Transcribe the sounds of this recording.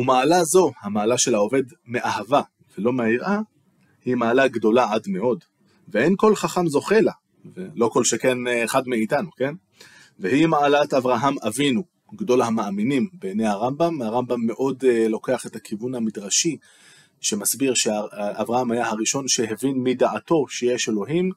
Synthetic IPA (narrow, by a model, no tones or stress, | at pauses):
umaːlazo̞hamaːlaʃe̞lao̞ve̞dme̞ʔahava | velo̞meiʁʔa | himaːlaɡdo̞laʕadme̞ʔo̞d | veʔenko̞lχaχamzo̞χe̞la | velo̞ko̞lʃeke̞nːχadmeitanuke̞n | vehimaalat̪avʁaɦamavinu | ɡdo̞lahamaaminimbenejhaʁambamhaʁambamːe̞ʔo̞dlo̞ke̞aχe̞t̪hakʰivunhamidʁaʃi | ʃe̞masbiʁʃeaavʁahamajahaʁiʃo̞nʃeɦevinmidaʕato̞ʃejeʃelo̞ɦim